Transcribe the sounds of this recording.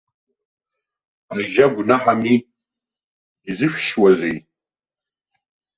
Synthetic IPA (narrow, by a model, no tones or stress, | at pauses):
aʒaɡʷnaħami | izɨʃᶣʃwazej